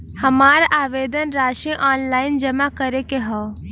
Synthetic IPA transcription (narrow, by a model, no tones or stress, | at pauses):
hɐmaːɾʔaːʋeːd̪ənɾaːʃẽʔaːnlaːɪnd͡ʒəmakəɾekeɦɔː